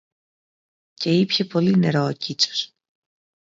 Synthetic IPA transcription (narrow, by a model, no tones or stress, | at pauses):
ce̞ipçe̞po̞line̞ɾo̞ocit͡so̥s